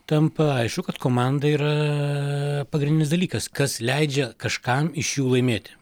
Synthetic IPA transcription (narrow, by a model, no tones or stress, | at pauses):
t̪ɐmpɐɐɪʃkʊkɐt̪koːmɑnd̪ɐiːɾɐ | pɐɡɾʲɪnʲɪnʲsd̪ɐlʲiːkɐskɐslʲɛɪd͡ʒʲɛkɐʃkɐmɪʃjuːlˠɐɪmʲeːt̪ʲɪ̥